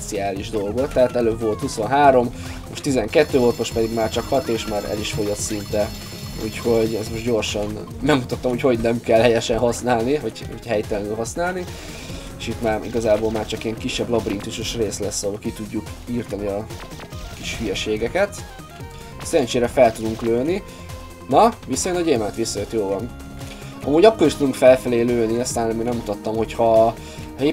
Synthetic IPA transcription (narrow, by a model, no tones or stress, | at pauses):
t̪siaːliʒd̪o̞lɡot̪ːɛɦat̪ɛløːbvo̞lt̪huso̞nɦaːɾo̞m | moʃt̪izɛŋkɛt̪ːøːvolt̪mo̞ʃt̪pɛd̪iɡmaːrt͡ʃɒkhɒt̪eːʃmaːɾɛ̰liʃfo̞jot̪sint̪ɛ | ṵːcho̞ɟɛzmo̞ʒɟo̞rʃɒnː | ɛɡmːut̪ɒt̪ːɒmhocho̞ɟnɛmkɛlhɛjɛʃɛnɦɒsnaːlnivɒɟho̰chɛjt̪ɛlɛnylɦɒsnaːlni | eʃit̪maːɾḭɡɒzaːbolmaːrt͡ʃɒkijɛŋkiʃːɛblɒbrint̪uʃuʃreːslɛsːɒɦolkit̪uɟːukirt̪ɒniɒ | kiʃfyjɛʃeːɡɛkɛt̪ | sɛɾɛnt͡ʃeːɾɛfɛlt̪ud̪uŋkløːni | nɒʋisːɔjønɒɟeːmɛnt̪ʋisːɒjøt̪joːvɒn | ɒ̰muːɟɒkːoɾiʃt̪ud̪uŋkfɛlfɛleːløːniɛst̪aːnɛmiːnɛmːut̪ɒt̪ːɒmho̞chɒ | e